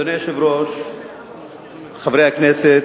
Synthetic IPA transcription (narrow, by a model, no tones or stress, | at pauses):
onɛʃevɾoʃ | χavɾejaknɛse